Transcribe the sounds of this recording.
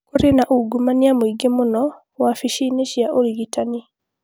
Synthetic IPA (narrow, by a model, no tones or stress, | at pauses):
koɾenaʔuɡumaniamoiɡemonɔ | wafiʃineʃiaʔoɾiɣitani